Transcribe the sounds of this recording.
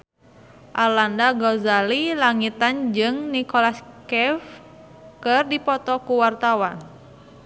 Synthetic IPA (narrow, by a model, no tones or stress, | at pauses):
ʔalandaɡɔzalilaŋit̪and͡ʒɨŋnikɔlaskɛf | kɨrdipɔt̪ɔkuwart̪awan